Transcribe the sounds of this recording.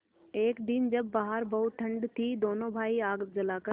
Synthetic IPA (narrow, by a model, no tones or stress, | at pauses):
eːkd̪ɪnd͡ʒɐbːaːɦəɾbɐuʈʰːɐ̃ɳɖt̪ʰid̪oːnoːbʱaːiaːɡd͡ʒɐlaːkə